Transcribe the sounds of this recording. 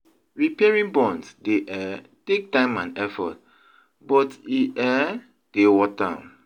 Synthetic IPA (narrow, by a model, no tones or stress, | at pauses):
ɹipiɛɹĩŋbɔ̃nsdeʔɛ | tek̚tãɪ̃mãnɛfɔ̰t̚ | bɔtiʔɛ | d̥ewɔta